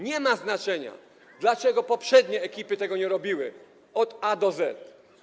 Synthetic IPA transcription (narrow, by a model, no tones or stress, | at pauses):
ɲɛmaznat͡ʂɛɲa̰ | d̪lat͡ʂɛɡɔpɔpʂɛd̪ɲɛːkʲipɘt̪ɛɡɔɲɛɾɔbʲiwɘ | ɔd̪ad̪ɔzɛ̰t̪